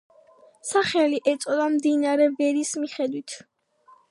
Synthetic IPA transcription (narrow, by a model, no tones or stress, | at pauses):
saχɛliʔɛt̪sʼɔd̪amd̪inaɾɛvɛɾismiχɛd̪wit̪ʰ